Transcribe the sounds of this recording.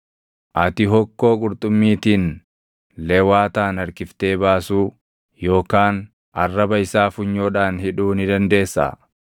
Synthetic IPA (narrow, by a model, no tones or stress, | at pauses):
ʔɐt̪ɪɦɔkːo̞ːkʼʊɾt̪ʼʊmːiːt̪iːn | lɛwaːt̪aːnɐɾkɪft̪e̞ːbaːsuː | jo̞ːkaːn | ʔɐrːɐbɐɪsaːfʊɲːoːᶑaːnhɪᶑuːnɪd̪ɐnd̪e̞ːsːɐ̰